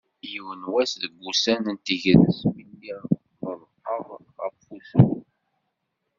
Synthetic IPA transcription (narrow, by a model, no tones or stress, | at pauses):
jiwənwæsðəɡʷːusænənt̪iʝðəsmilːi | ðəðˤqːəðˤ | ʁəffuθə